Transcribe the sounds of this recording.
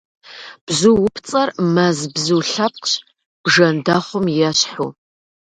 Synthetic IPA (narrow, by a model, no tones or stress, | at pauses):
b̥zuwʊpʰt͡sʼɐrmɐzbzɨwɬɐp̚qɕ | b̥ʐɐndaːχʷʊmjɛɕħṵ